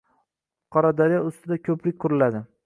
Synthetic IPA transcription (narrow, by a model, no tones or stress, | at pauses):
qʰɒɾad̪aɾijaʊst̪ɪd̪akʲʰɵplɪk̚ʲkʰʊɾɪlad̪ɪ